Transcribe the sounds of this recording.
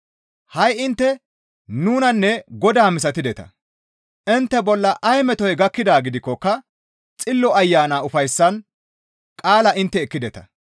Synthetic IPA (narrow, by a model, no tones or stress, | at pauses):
hɐjɪnt̪ːɛ | nuːnɐnːɛɡɔd̪aːmɪs̬ɐt̪ɪd̪ɛt̪ɐ̰ | ʔɪnt̪ːɛbɔlːɐʔɐjmɛt̪ɔjɡɐkːɪd̪aːɡɪd̪ɪkːɔkːɐ | t͡sʼɪlːɔɐjːaːnaːʊfɐjsːɐn | kʼaːlɐʔɪnt̪ːɛɛkːɪd̪ɛt̪ɐ